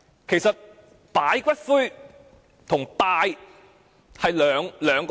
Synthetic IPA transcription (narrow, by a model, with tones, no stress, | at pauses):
kʰe˨˩jsɐ˨t̚ | paː˨˥jkʷɐ˥t̚fuː˥j | t̪ʰʊ˨˩ŋpaː˨j | hɐ˨jlœː˨˧ŋlœː˨˧ŋk